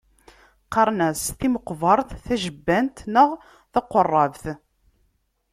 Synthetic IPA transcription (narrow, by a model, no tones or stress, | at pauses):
qɑɾˤnæsθiməqːvɑɾˤθθæʒəbːænt̪nəʁ | θɑqːorˤːɑvθ